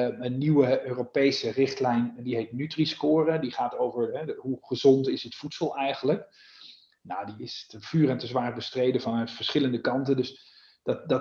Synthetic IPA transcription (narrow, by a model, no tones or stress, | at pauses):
ənːiwəøːropejsərɪχtlɛjndiɦetnytriskʊːrədiχaːtowvəɹɦɛɦuχəzɔntɪsətfutsəlˠɛjχənlək | nawdiɪstəfyːrəntəzʋaːrbəstrejdəvɑnəfəɹsχɪləndəkɑntəndɵs | d̥ɑdɑ